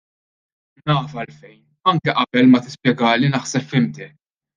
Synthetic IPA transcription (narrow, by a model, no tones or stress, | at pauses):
nɐːfɐlfɛjn | ɐŋkɛʔɐbɛlmɐt̪ɪ̥spjɛɡɐːlinɐħsɛpfɪmd̪ɛ